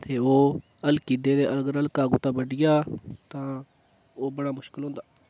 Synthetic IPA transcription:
t̪eːoː | əlkiːd̪eːd̪eːʔəlɡəɾəlkaːɡuːt̪ãːbəɖɪjaːt̪ãː | oːbəɽaːmʊʃkɪlɦõːnd̪aː

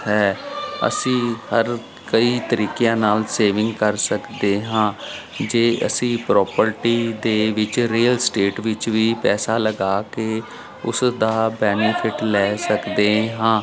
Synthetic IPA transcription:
ɦɛːə̰sĩːhəɾ | kəiːt̪əɾiːkɪjãːnaːlseːʋɪ̃ŋɡkəɾsəkd̪eːɦãː | d͡ʒeːʔə̰sĩːpɾɔːpəɾʈiːd̪eːʋɪt͡ʃɾiːəlsʈeːʈʋɪt͡ʃʋiːpɛːsaːləɡaːkeː | ʊ̰sd̪aːbɛːnɪpʰɪʈlɛːsəkd̪eːɦãː

